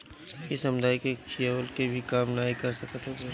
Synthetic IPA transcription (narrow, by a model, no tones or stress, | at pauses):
ɪsɐmd̪ʱaːikeʃijəʋəlkebʱikaːmnaːikɐɾsɐkət̪ʰɦe